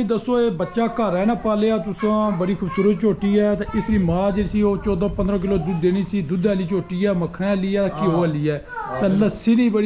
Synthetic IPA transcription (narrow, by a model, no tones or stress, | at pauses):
ĩːd̪əsːoːeːbətːʃaːkəɾɛːñaːpaːleːaːt̪ʊsãːbəɽiːkʰʊbsuːɾət̪̚t͡ʃoːʈiːɛːt̪ãːʔɪsɾiːmãːd͡ʒeɾsiːoːt͡ʃɔːd̪ãːpənd̪ɾãːk̬ɪloːd̪ʊd̪eːniːsiːd̪ʊd̪ɛːliːt͡ʃoːʈiːɛːməkʰɽeːliːɛːkɪɦoːəliːɛːt̪ãːləsiːnĩːbəɽi